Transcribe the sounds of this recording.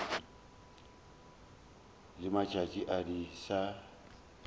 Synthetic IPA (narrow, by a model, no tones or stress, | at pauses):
lɪmat͡ʃʼat͡ʃʼiʔadisa